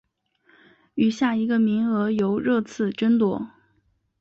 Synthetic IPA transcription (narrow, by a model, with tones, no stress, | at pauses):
y˨˩ɕja˥˩i˧˥ɡə˧mi˧˥ŋɤ˧˥jo˧˥ʊɻɤ˥˧t͡sʰɹ̩˥˩ʈ͡ʂə˥nt̪wɔ˥